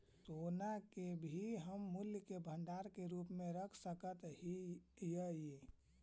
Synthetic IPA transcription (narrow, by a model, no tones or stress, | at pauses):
sonakebʱiɦəmːuljəkebʱə̃ɳɖaɾkeɾupmẽɾəkʰsəkət̪ɦijəje